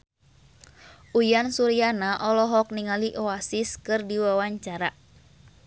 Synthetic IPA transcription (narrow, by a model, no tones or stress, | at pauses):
ʔujansuɾianaʔɔlɔɦɔk̚niŋaliʔɔasiskɨrdiwawaɲt͡ʃaɾa